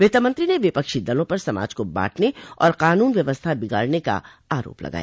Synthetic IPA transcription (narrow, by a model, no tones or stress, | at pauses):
ʋeːt̪əmə̃ɐ̃nt̪ɾineʋɪpəkʃid̪ɐlõpɐɾsɐma̰ːd͡ʒkoba̰ːʈʰneɔːɾqaːnuːnʋjɐʋəst̪ʰabɪɡa̰ːɽneka̰ | aːɾo̰ːplɐ̰ɡa̰ːja